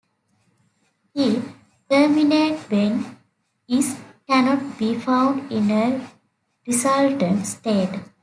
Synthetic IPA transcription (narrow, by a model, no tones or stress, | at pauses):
hi | ʈəɾmineːʈbẽn | iskænɔʈ̚biːfãʊ̃ɳɖĩne | ɾisʌlʈə̃ɳʈsʈeːʈ